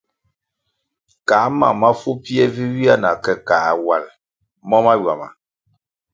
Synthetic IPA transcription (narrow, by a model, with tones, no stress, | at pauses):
kaː˨˦ma̰˨ma˦fu˦pi˦ɛ˦vi˦wi˦a˦na˨kɛ˨kaː˨˦˨wa˨l | mɔ˦ma˦ɥwa˨ma̰˨